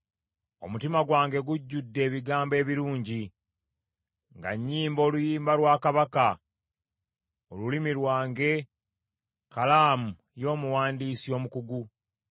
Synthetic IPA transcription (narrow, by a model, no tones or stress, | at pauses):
o̞̰mutimaɡwaːŋɡe̞ɡuɟːudːe̞ːβiɡaːmbe̞ːβiɾuːɲɟi | ŋɡa̰ɲːiːmbo̞ːlujiːmbaɾwaːkaβaka | o̞lulimiɾwaːŋɡe̞ | kalaːmu | jo̞ːmuwaːndiːsio̞ːmukuɡu